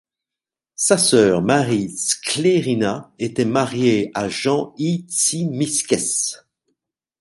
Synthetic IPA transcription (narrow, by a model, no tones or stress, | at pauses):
sasœːʁmaʁiskleʁinaet̪ɛmaʁjeaʒɑ̃isimiskʲɛs